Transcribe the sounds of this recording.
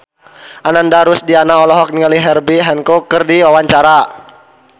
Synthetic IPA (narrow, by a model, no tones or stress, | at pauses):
ʔanandaɾʊsdianaɔlɔɦɔk̚nialiɦɛrbiɦɛnkɔkərdiwawaɲt͡ʃaɾa